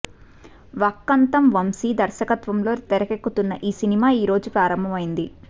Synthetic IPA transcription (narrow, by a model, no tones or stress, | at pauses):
ʋɐkːɐnt̪ɐmʋɐmsiːd̪ɐɾʃɐkɐt̪ʋɐmlo̞ːt̪ɛɾɐkekːut̪unːɐʔiːsinimaːiːɾo̞ːd͡ʒupɾaːɾɐmbʱɐmɐjind̪i